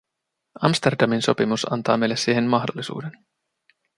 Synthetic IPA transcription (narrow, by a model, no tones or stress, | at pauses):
ɑmst̪erdɑminso̞̰pimusɑ̰nt̪ɑːme̞jlːessiːɦemmɑxdolːisṵːden